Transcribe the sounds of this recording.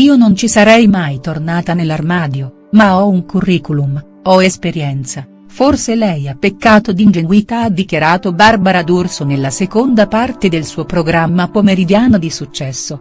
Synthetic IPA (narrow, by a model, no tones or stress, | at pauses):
iːonont͡ʃisaɾɛjmajt̪ornaːt̪anelːarmaːd̪jo | maɔuŋkurːiːkulum | ɔespeɾjɛnt̪sa | forselɛjapːekːaːt̪od̪ind͡ʒeɡwit̪aad̪ːikjaɾaːt̪obarbaɾad̪ursonelːasekond̪apart̪ed̪elsuːopɾoɡɾamːapomeɾid̪jaːnod̪isut͡ʃːɛsːo